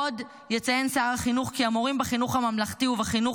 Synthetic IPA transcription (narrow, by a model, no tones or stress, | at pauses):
od | jet͡sajenseaʁaχinuχkiamoʁimbeχinuχhamamlaχtiuvaχinuχ